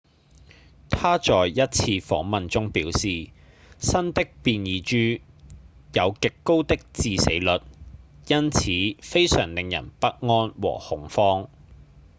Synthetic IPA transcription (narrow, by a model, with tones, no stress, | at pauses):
t̪ʰaː˥t͡sɔː˨jjɐ˥t̚t͡sʰiː˧fɔ̰ː˨˥ŋmɐ˨nt͡sʊ˥ŋpiː˨˥wsiː˨ | sɐ˥nt̪ɪ˥k̚piː˨˧njiː˨˧t͡ʃyː˥ | jɐ˨˧wkɪ˨kːo˥wt̪ɪ˥k̚t͡siː˧sḛ˨˥jlɵ˨t̚jɐ˥nt͡sʰiː˨˥fe˥jsœː˨˩ŋlɪ˨ŋjɐ̰˨˩npɐ˥k̚ŋɔː˥nwɔ̰ː˨˩hʊ˨˥ŋfɔː˥ŋ